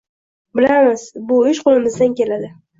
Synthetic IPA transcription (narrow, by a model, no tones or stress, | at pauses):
bɪlamɪz̥bʊɪʃqʰolˠɪmɪzd̪ankʲʰe̞lad̪ɪ